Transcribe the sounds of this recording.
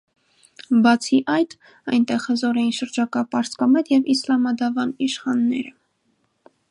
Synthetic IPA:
bɑt͡sʰiʔɑjt̪ | ɑjnt̪ɛʁhəzɔɾɛjinʃəɾd͡ʒɑkɑpɑɾskɑmɛt̪jɛvislɑmɑd̪ɑvɑniʃχɑnːɛɾə

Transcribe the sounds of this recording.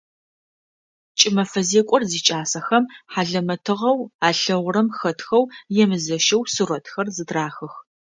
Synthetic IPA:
t͡ʃʼɪmɐfɐzeːkʷʼɔrziːt͡ʃʼaːsɐxɐmħaːɮɐmɐtʰɨʁɐwaːɬɐʁʷʊɾɐmxɐtʰxɐwjɛmɨzɐʃɐwsɨrɔtʰxɐrzɨdraːxɨx

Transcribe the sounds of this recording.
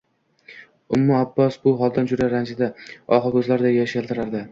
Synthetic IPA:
ʊmːɪabːɒsbʊɦɒlˠd̪and͡ʒʊd̪aɾand͡ʒɪd̪aɒqɑkʲʰɵzlaɾɪd̪ajaʃelt̪ʰɪɾaɾd̪ɪ

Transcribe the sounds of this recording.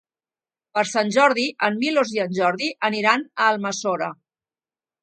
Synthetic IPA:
pəɾsanʲʒɔɾðiʔəmːiloziənʲʒɔɾðiʔəniɾanəːlˠməsoɾə

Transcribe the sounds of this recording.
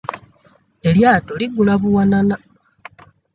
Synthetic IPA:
e̞ljaːtoliɡulaβuwanana

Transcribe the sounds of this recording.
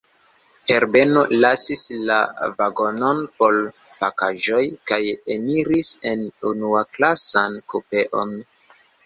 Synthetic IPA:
he̞ɾbe̞no̞lasisla̰vaɡo̞no̞npo̞l | pakaʒo̞jkajeniɾise̞nunuaklasankupe̞ʔo̞̰n

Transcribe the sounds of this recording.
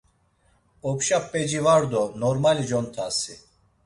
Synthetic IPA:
ɔpʃapʼːɛd͡ʒivaɾd̪ɔnɔɾmalid͡ʒɔnt̪ʰasi

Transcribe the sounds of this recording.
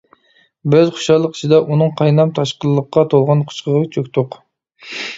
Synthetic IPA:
bøzχʊ̥ʃɑlˠːəqi̥t͡ʃʰid̪ɑʔunɨŋqʰɑjnɑmt̪ʰɑʃqəlːˠəqːɑt̪ʰolˠʁɑnqʰʊ̥ʃqəʁɑt͡ʃʰøkʲt̪ʰʊq

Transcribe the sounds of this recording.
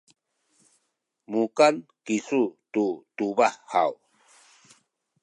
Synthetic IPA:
mukankisututubahːa̰w

